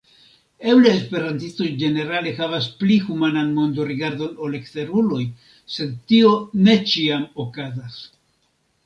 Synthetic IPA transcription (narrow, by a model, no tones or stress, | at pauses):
e̞wleːspe̞ɾantist̪o̞jd͡ʒe̞ne̞ɾale̞xavasplixumananmo̞nd̪oɾiɡaɾd̪o̞nole̞kte̞ɾulo̞j | se̞d̪̚tio̞ne̞t͡ʃiamokazas